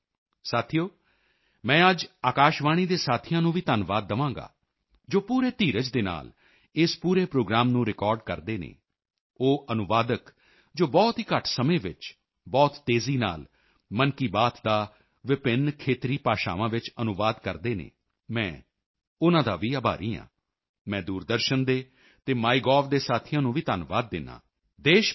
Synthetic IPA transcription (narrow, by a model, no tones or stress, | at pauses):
saːt̪ʰijoː | mɛ̃ːəd͡ʒaːkaːʃʋaːɽ̃iːd̪eːsaːt̪ʰijãːnũːʋiːt̪ənʋaːd̪ːəʋãːŋɡa̰ː | d͡ʒoːpuːɾeːt̪iːɾəd͡ʒd̪eːna̰ːl | ɪspuːɾeːpɾoːɡɾaːmnũːɾɪkɔːɾɖkəɾd̪eːnḛː | oːʔənʊʋaːd̪ək | d͡ʒoːbɔːt̪ɦiːkəʈʰsəmẽːʋɪ̰t͡ʃ | bɔːt̪ːeːziːna̰ːl | mənkiːbaːt̪d̪aː | ʋɪpɪnkʰeːt̪ɾiːpaːʃa̰ːʋãːʋɪt͡ʃənʊʋaːd̪kəɾd̪eːnḛ̃ː | mɛ̃ː | ʊnãːd̪aːʋiːəba̰ːɾiːã̰ː | mɛ̃ːd̪uːɾd̪əɾʃənd̪eː | t̪eːmaːiɡɔːfd̪eːsaːt̪ʰɪjãːnũːʋiːt̪ənʋa̰ːd̪̚ːɪnːã̰ː | d̪eːʃ